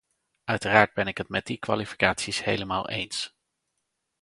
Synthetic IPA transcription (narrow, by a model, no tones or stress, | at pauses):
œɥtəraːɹd̚bɛnɪkɦətmɛdikʋa̰lifi̥kaːtsishejləmaːlˠḛjns